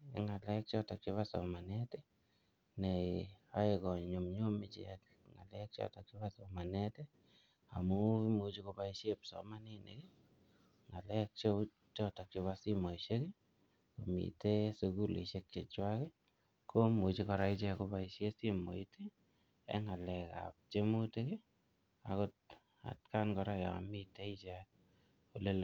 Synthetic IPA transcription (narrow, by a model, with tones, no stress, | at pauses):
eŋa˨lɛ˦k̚t͡ʃɔ˦ta˨k̚t͡ʃo˦βa˦sɔ̰˨ma˨nɛ˦te˦ | ne˨a˦ɪkɔ˨ɲ˨ɲo˨mɲo˦mɪ˦t͡ʃḛk | ŋa̰˨lɛ˦k̚t͡ʃɔ̰˦˨ta˨k̚t͡ʃo˦ba˦sɔ˨ma˨nɛ˦te | a˨mu˦i˦mo˨t͡ʃi˦ko˧ba˦iʃje˦psɔ̰˨ma˦ni˦nḛ˨ke˦ | ŋa˨lɛ˦k̚t͡ʃo | t͡ʃɔ˦ta˨k̚t͡ʃo˧βasi˦mo˨iʃe˦ke˦ | komḭtesuku˦lḛ˨ʃe˧k̚t͡ʃe˨t͡ʃwake˦ | komo˨t͡ʃi˦kɔ˧ɾa˦it͡ʃɛko˧paiʃje˦si˦mo̰˨itʰe | ɛ̰ŋa˨lɛ˨ka̰p̚t͡ʃe˦muteke˦ | a̰ko˦t̚ | a̰˨t̚ka˦nkɔ˧ɾaja̰˨a̰˨mite˦it͡ʃa | kole˦l